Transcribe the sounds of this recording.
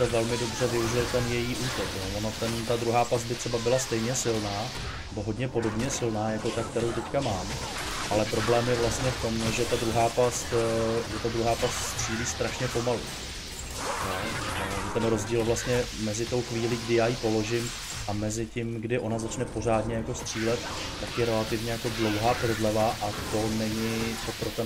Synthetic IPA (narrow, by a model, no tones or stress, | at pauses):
sɛvɛlmɪdo̞br̝ɛvɪuʒɪlt̪ɛnjɛjiːʔuːt̪oknjovonot̪ɛnt̪ad̪ɾuɦaːpas̚bɪt̪r̥ɛbabɪlast̪ɛjɲɛsɪlnaː | nɛboɦodɲɛpo̞do̞bɲɛsɪlnaːjako̞t̪akt̪ɛɾo̞wt̪ɛckamaːm | ʔalɛpɾo̞blɛːmjɛvlast̪ɲɛft̪o̞mɛʒɛt̪ad̪ɾuɦaːpast̪ʒɛt̪ad̪ɾuɦaːpast̪st̪r̥iːliːst̪ɾaʃɲɛpo̞malṵ | jo̞ʒɛt̪ɛnɾo̞zɟiːlvlast̪ɲɛmɛzɪt̪o̞wxviːliːɡdɪjaːjipo̞lo̞ʒɪm | ʔamɛzɪcɪmɡdɪʔo̞nazat͡ʃnɛpo̞r̝aːdɲɛjako̞st̪r̝̥iːlɛt̪ː | akjɛɾɛlat̪ɪvɲɛjako̞dlo̞wɦaːpɾ̩dlɛvaʔat̪o̞nɛɲɪp̪opɾot̪ɛ